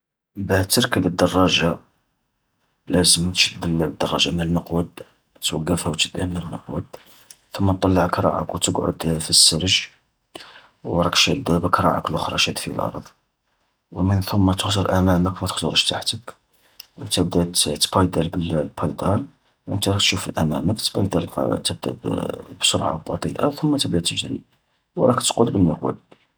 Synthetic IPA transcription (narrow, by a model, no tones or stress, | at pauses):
baht̪əɾˤkələd̪ːɑrˤːɑʒa | læzəmt̪ʃəd̪ːələd̪ːɑrˤːɑ̰ʒamənənːəqwəd̪ | t̪wəɡːæfhæwt̪əd̪ːæmnənːəqwə̰d̪ | θʊmːæt̪ˤːɑlːəʕəkɾˤɑ̰ʕa̰kwt̪əɡʕʊ̰d̪fisːəɾəʒ | wɾˤɑkʃæd̪æbəkɾˤɑ̰ʕa̰klʔʊxɾˤɑ̰ʃæd̪fḭlʔɑ̰ɾˤðˤ | wmənθʊmːæt̪əxzəɾˤʔæmæməkmæt̪əxzoɾˤəʃt̪aħt̪ək | wənt̪əb̚d̪æt̪t̪bɑjd̪ælbəllpʰɑjd̪ɑn | wʔənt̪æɾɑk̚t̪ʃufəlʔæmæ̰məkt̪bɑjd̪æl̰t̪əb̚d̪æ̰bbsoɾʕa̰bɑt̪ˤḭʔaθʊmːæt̪əbd̪æt̪əʒɾḭ | wɾˤɑkt̪qolbəmnːəqwə̰b̪̚